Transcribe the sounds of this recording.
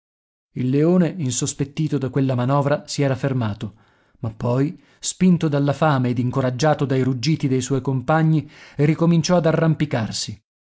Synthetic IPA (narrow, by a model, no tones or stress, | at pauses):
ilːeoːneinsospet̪ːiːt̪od̪akːwelːamanɔːvɾasiɛːɾafermaːt̪o | mapːɔj | spint̪od̪alːafaːmeːd̪iŋkoɾad͡ʒːaːt̪od̪ajɾud͡ʒːiːt̪id̪ejswɔjkompaɲːierːikomint͡ʃɔad̪arːampikarsi